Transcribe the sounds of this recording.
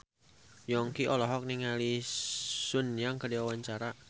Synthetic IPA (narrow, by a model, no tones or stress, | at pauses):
jɔŋkiɔlɔɦɔk̚niŋali | sʊnjaŋkədiwawaɲt͡ʃaɾa